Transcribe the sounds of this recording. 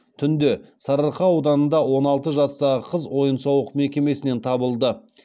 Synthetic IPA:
t̪ʰʏnd̪e̞sɑɾəɾqɑɑwd̪ɑnənd̪ɑwo̞nɑlˠt̪əʒɑst̪ɑʁəqʰəzwo̞jənsɑwəqme̞kʲe̞me̞sɪne̞nt̪ʰɑbəlˠd̪ə

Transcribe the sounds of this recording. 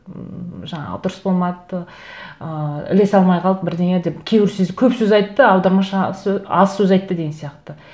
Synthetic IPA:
ʒɑɴɑ̰d̪ʊɾəsbo̞lˠmɑd̪ə | əɪ̰le̞sɑlˠmɑjqʰɑlˠəbɪɾd̪eŋed̪e̞pkʲʰe̞wɪɾsɪzkʲʰɵpsɵzɑjt̪ːəɑwd̪ɑɾmɑʃɑsɑ̰ssɵzɑjt̪ːəd̪e̞ɡʲensijɑqt̪ə

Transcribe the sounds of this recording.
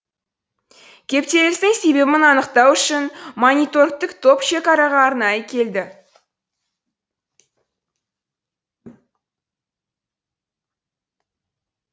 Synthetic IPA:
kʲʰe̞p̚t̪e̞lɪst̪ɪŋse̞be̞bɪnɑnəqt̪ɑwʏʃɪnmonʲijt̪o̞rkt̪ɪkt̪ʰo̞pʃe̞kɑɾɑʁɑːɾnɑjəkʲʰe̞ld̪ɪ

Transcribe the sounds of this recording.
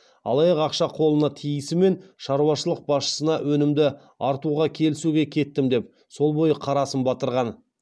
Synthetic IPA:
ɑ̰lˠɑjɑqɑqʃɑqʰo̞lˠənɑt̪ʰijɪsɪme̞nʃɑɾuwɑʃəlˠəq̚bɑsʃə̥sənɑwʔɵnɪmd̪ɪ | ɑɾt̪uʁɑkʲʰe̞lɪsuɡʲe̞kʲʰe̞t̪ːɪmd̪e̞p̚ | so̞lˠbo̞jəqʰɑɾɑsəmbɑt̪əɾʁɑn

